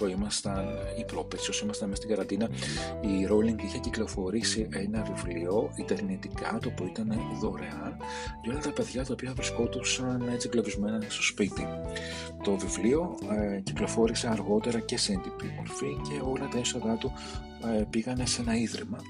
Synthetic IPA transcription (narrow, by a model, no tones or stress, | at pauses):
imɐst̪ɐn | ipɾopesiosimɐst̪ɐnmest̪iɡɐɾɐnd̪inɐiɾo̞liŋɡiçeciklo̞fo̞ɾisiʔe̞nɐvivlio̞it̪eɾnit̪ikɐt̪oopuoit̪ɐne̞ðo̞ɾe̞ɐn | ʝɐo̞lɐt̪ɐpe̞ðʝɐt̪ɐopiɐvɾisko̞t̪usɐne̞t͡siɡlo̞vizme̞nɐst̪o̞spit̪ḭ | t̪o̞vivlio̞ciklo̞fo̞ɾise̞ɐɾɣo̞t̪e̞ɾɐce̞send̪ipimo̞̰ɾfice̞o̞lɐt̪ɐeso̞ðɐt̪u | piɣɐne̞se̞nɐiðɾimɐ